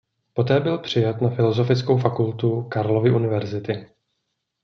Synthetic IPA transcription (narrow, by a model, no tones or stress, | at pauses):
po̞t̪ɛːbɪlpr̝̥ɪjat̪nafɪlo̞zo̞fɪt͡sko̞wfakult̪ukaɾlo̞vɪʔunɪvɛɾzɪt̪ɪ